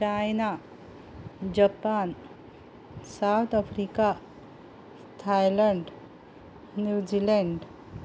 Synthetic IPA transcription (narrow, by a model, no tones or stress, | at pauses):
t͡ɕajna | d͡ʑəpan | sawt̪ʰəfɾika | t̪ʰajləɳɖ | njud͡ʑileɳɖ